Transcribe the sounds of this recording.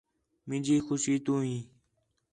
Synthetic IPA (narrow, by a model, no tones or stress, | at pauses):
mɪ̃d͡ʒiːxʊʃiːt̪ũːɦĩː